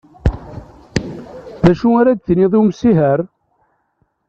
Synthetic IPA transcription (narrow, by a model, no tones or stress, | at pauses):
ðæʃuaɾæd̪θniðˤiwmsiɦəɾ